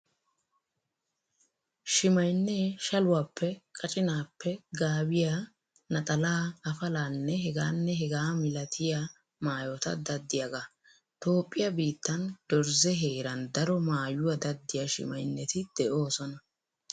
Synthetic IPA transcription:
ʃɪmɐjnːeʃɐlʊwaːpʰːɛkʼɐt͡ʃʼɪnaːpːɛɡaːbɪja | nɐt̪ʼɐlaːɐfɐlaːnːɛɦɛɡaːnːɛɦɛɡaːmɪlɐt̪ʰɪja | maːjot̪ɐd̪ɐd̪ːɪjɐɡa | t̪o̞ːpʼːɪjɐbiːt̪ːɐnd̪̥ɔɾzɛɦeːɾɐnd̪ɐɾɔmaːjʊwɐd̪ɐd̪ːɪjaʃɪ̰mɐjnːɛt̪ɪd̪̥ɛʔo̞ːsɔnɐ

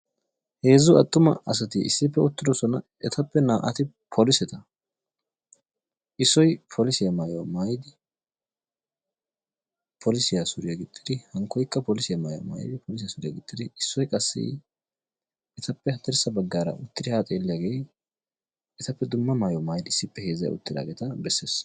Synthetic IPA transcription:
he̞ːzʊɐt̪ʼːʊmɐ̰ɐsɐt̪ɪɪ̰sːɪpːɛʊt̪ːɪd̪ɔsɔnɐ | ɛt̪ʰɐpːɛnaːʔɐ̰t̪ɪ | pʰɔlɪsɛt̪ɐ | ʔɪsːɔjpʰɔlɪsɪjamaːjomaːjd̪ɪ | pʰɔlɪsɪjasʊɾɪjaɡɪt̪ʼːɪd̪ɪhɐŋkːɔjkːɐpɔlɪsɪjamaːjo̰ma̰ːjɪ̰d̪ɪpʰɔlɪs̬ɪjasʊɾɪjaɡɪt̪ʼːɪd̪ɪɪsːɔjkʼɐsːɪ̰ | ʔɛt̪ɐpːɛhɐt̪ːɛɾsːɐbɐɡːaːɾɐ̰ʔʊt̪ːɪd̪ɪhaːt̪ʼeːlːɪjaːɡej | ɛt̪ɐpːɛd̪ʊmːɐmaːjɔmaːjd̪ɪɪsːɪpːɛheːzːɐ̰j̰ʊ̰t̪ːɪd̪a̰ːɡeːt̪ɐbɛsːeːs

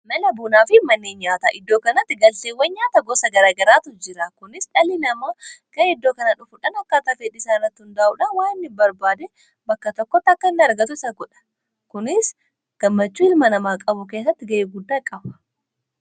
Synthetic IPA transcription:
mɛlɐbuːnaːfɪmɐnːeːnɲaːt̪a̰ːʔɪd̪ːo̞ːkɐnɐt̪ːɪɡɐlseːwːɛɲɲaːt̪ɐɡoːsɐɡɐɾaːɡɐɾaːt̪ʊd͡ʒɪɾɐkʊnɪsᶑɐlinɐmaːkɐɪd̪ːo̞ːkɐnɐᶑʊfʊᶑɐnɐkːaːt̪ɐt̪eːᶑɪsaːnɐt̪ːɪhʊnd̪aːʔuːᶑɐwaːɪnːɪbɐɾbaːd̪ɛ | bɐkːɐt̪ɔkːɔt̪ːɐkːɐɪnːɪɐɾɡɐt̪ʊɪsɐɡɔᶑɐ̥ | kʊnɪs | ɡ̥ɐmːɐt͡ʃːuːɪlmɐnɐmaːkʼɐbʊke̞ːs̬ːɐt̪ːɪɡɐʔeːɡʊd̪ːaːkʼɐbɐ̥

